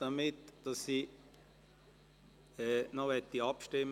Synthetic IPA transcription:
d̥ɑmɪt̪d̥ɑsːi | ɛːnɔʋɛt̪ːiɑpʃtɪm

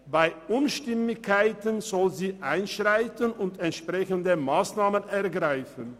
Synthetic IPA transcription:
baɪʔʊnʃtɪmɪçkʰaɪtənzɔlziːʔaɪnʃʁaɪtənʊntɛntʃpʁ̥ɛçəndəmaːsnaːmənɛɐɡʁaɪfən

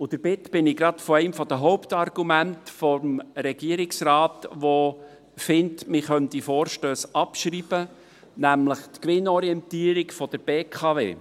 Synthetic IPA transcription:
ʊd̥əɾb̥ɪtb̥ɪnɪɡɾɑt̪fɔɛɪmfɔd̥̪əɦɔʊpt̪ɑrɡ̥umæntfɔmɾɛɡ̥iːəɾiksɾɑːtʋo | fɪntmɪχœnt̪ifoːɾʃtøːsɑpʃɾiːb̥ə | næmləχt̪kʋɪnɔɾiɛnt̪iːəɾikfɔd̥̪əɾb̥eːkʰɑvḛː

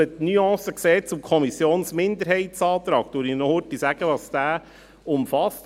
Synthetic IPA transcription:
ətnyɑ̃ːsəksɛːt͡sʊmkʰɔmisjoːnsmɪnd̪əɾɦɛɪtsɑːt̪ɾɑːk̚t̪uːɾinɔhʊtisæɡ̥əʋɑsd̥̪æː | ʊmfɑst

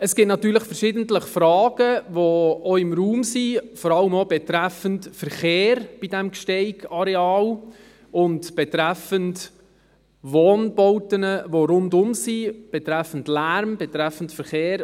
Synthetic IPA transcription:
əsɡ̥ɪtnɑtyːɾləχfəɾʃɪdən̩tləχfɾɑːɡ̥əʋooɪmɾuːmsifɔɾɑləmobɛt̪ɾɛfəntfəɾχeːɾb̥idɛmkʃtɛɪɡɑɾɛɑːl | ʊntb̥ɛt̪ɾɛfənt | ʋoːnbɔwtənəʋoɾʊndʊmsib̥ɛt̪ɾɛfəndlæɾmbɛtɾɛfən̩tfəɾχeːɾ

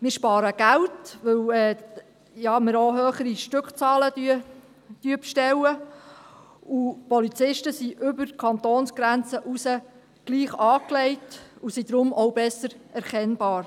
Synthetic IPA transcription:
mɪːɾʃpɑːɾəɡ̥æwtʋɵwɛː | jɑːməɾoɦøːχəɾiʃtʏkχt͡sɑːlədy | d̥yəpʃtɛwə | upɔlit͡sɪʃtəsiʔʏbəɾkʰɑnt̪oːnsɡ̥ɾænt͡səʔusə | ɡ̥liːχɑːklɛɪtusid̪ɾʊmʔɔwbɛsəɾɛɾkɛnbɑːɾ

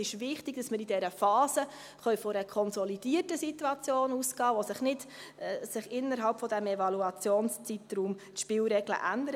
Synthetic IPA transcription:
ɪʃvɪχtɪɡd̥ɑsməɾidɛɾəfɑːzə | χœʏfɔɾəkʰɔnsɔlid̥iːətəsituɑt͡sjoːnuːsɡ̥ɑːʋosɪχnɪdsɪχɪnːəɾɦɑlpfɔdɛmɛvɑluɑt͡sjoːnst͡sitɾuːmtʃpɪːlɾɛɡlə̰ʔændəɾ

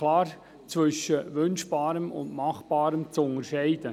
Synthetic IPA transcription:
lɑːɾ | t͡sʋʏʃəʋʏnʃb̥ɑːɾəmʊ̰ndmɑχb̥ɑːɾəmt͡sʊŋəɾʃɛɪd̥ə

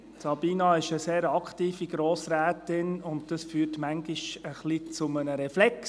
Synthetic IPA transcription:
sɑb̥iːnɑɪʃəseːɾɑktiːfiɡɾoːsɾæːtɪnʊnt̚d̥ɑsfyːrtmæŋɡɪʃəχlit͡sʊmənəɾɛflɛks

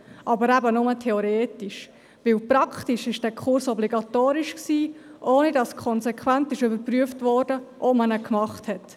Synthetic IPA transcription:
ʔɑbəɾæbənʊmətʰɛoɾeːtiʃ | ʋɪlpɾɑkχtiʃɪʃd̥æːkʰʊɾsɔbliɡɑt̪oːɾiʃksiːʔoːnidɑskʰɔnsɛkʰʋæntɪʃybəɾpɾyəftvɔːɾdəʔɔpmənəkmɑχthɛt

